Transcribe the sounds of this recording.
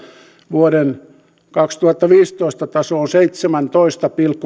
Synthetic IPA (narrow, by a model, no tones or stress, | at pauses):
ʋuoɾen | kɑkst̪uhɑt̪ːɑʋiːst̪oist̪ɑt̪ɑsoːnseit̪semænt̪oist̪ɑpilkːu